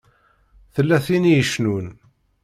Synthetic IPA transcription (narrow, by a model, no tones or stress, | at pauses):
θəlːæθinijəʃnun